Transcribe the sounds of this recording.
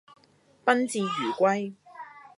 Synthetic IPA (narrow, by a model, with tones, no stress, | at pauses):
pɐ˥nt͡siː˨˧jyː˨˩kʷɐ˥j